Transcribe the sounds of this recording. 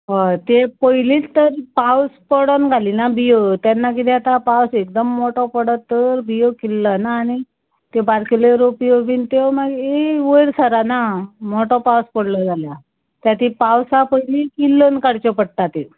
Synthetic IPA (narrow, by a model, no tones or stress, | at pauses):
ɦat̪epəjiliːt̪əɾpawspəɽənɡʱaliːnabijot̪janːakit̪iat̪apawsekd̪əmːoʈɔpəɽət̪ːəɾbijokilːanaːɽ̃i | t̪ebaɾkileɾopioʋiːnt̪emaɡeʋəɾsaɾanamoʈɔpawspəɽlɔd͡zʱalja | t̪jat̪ipawsapəjlikilːənkaɽt͡ɕɔpəɽ̚t̪at̪e